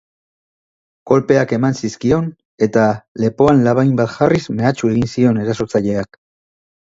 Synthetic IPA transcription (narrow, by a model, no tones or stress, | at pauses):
ko̞lpe̞ake̞mansiskio̞n | e̞t̪ale̞po̞anlaβajmbat̪ʝarizme̞at͡ʃueɣinsio̞ne̞ɾaso̞t͡saʎe̞ak